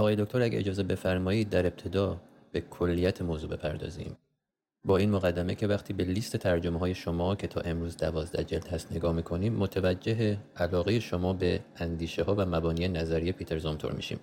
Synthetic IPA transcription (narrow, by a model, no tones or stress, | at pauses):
ɒɣɒːjeoct̪o̞ɾæɟʲæ̰ed͡ʒɒːzebe̞fæɾmɒːiːd̪̚d̪ːæɾe̞b̚t̪ʰe̞d̪ɒː | b̥e̞kʰo̞lːijæt̪ʰemoːzuːbe̞̰pʰæɾd̪ɒ̰ːzḭːm | bɒːiːnmoɣæd̪ːæme̞̰cʰevæxt̪ʰiːbe̞liːst̪ʰe̞t̪ʰæɾd͡ʒo̞meɦɒːjeʃo̞mɒːcʰe̞t̪ʰɒ̰ːʔe̞mɾuːzd̪ævɒːzd̪æ̰d͡ʒeld̪hæst̪ne̞ɡɒːhmiːkʰo̞niːmːot̪ʰævæd͡ʒːe̞ɦeælɒːɣejeʃo̞mɒːbe̞ænd̪iːʃehɒːvæmæbɒːniːjenæzæɾije̞pʰiːt̪ʰe̞ɾzɒmt̪ʰo̰ɾmḭːʃḭːm